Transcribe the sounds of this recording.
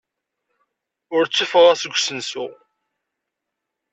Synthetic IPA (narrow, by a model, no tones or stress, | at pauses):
ʊɾt͡sːufəʁæsəɡʷsənsʊ̰